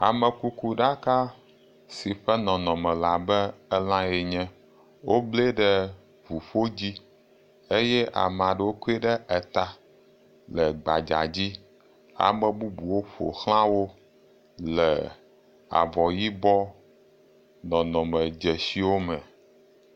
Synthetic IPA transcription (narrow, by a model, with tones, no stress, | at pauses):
a̰˨mɛ˨ku˦ku˦ɖa˦ka˦ | si˨ɸɛ˦nɔ̃˨nɔ̃˨mɛ̃˨la˨bɛ˦ɛ˦lã˦je˨ɲɛ̃˦ | wo˦ble˦ɖɛ˦ | vu˨ɸo˦d͡ʑi˦ | e˦jɛ˦ʔa̰˨m˨a˨ɖə˨wo˦ku˦e˦ɖɛ˦ɛ˨t̪a˦ | lə˨ɡ͡ba̰˨d͡ʒa̰˨d͡ʑi˦ | a̰˨mə̃˦bu˦bu˨wo˦ɸo̰˨xl̃ã˦wo˦ | lɛ̰˨ | a̰˨vɔ˨ji˦bɔ˦ | nɔ̃˨nɔ̃˨mə̃˨d͡ʒɛ˨si˦wo˦mɛ̃˨